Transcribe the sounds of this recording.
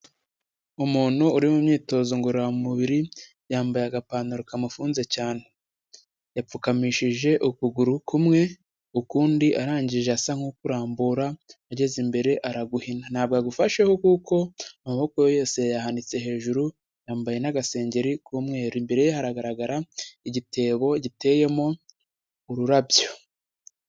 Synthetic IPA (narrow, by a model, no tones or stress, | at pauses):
umuːn̥huːɾimumɲiːto̞ːzo̞ŋɡoɾoamumuβiɾi | jaːmbajaaɡapaːnuɾokamufuːnze̞caːne | jap͡fukamiʃiʒe̞ʔukuɡuɾukumŋe̞ | ukuːndiʔaɾaːɲɟiʒeasaŋ̥hukuɾaːmbuɾaaɟe̞zimbe̞ɾe̞ʔaɾaɡuhinan̥aːbɡaɡufaʃehokuko̞amaβo̞kojojo̞ːse̞jahanit͡se̞ɦe̞ːʒuɾu | jaːmbaje̞naɡase̞ːɲɟe̞ɾikumŋe̞ːɾimbe̞ɾe̞jehaɾaɡaɾaɡaɾaiɟite̞ːβo̞ɟite̞ːje̞mo̞ | uɾuɾabjo̞